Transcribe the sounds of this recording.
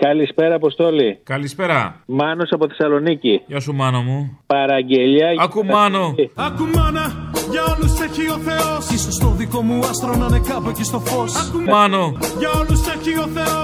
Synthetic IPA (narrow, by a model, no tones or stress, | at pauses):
kɐlispe̞ɾɐːpost̪o̞likɐlispe̞ɾɐ̰mɐno̞sɐpoθesɐlo̞niciʝɐsumɐnɐmupɐɾɐɟeʎɐɐkumɐnoɐkumɐnɐʝɐo̞luseçio̞θe̞osisost̪oðiko̞muɐst̪ɾonɐne̞kɐpocest̪o̞fo̞sɐumɐnoʝɐoluseçio̞θeo